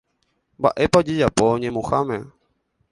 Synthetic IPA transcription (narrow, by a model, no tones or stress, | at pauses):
mba̰ʔepad͡ʒed͡ʒapoɲẽmũxamẽ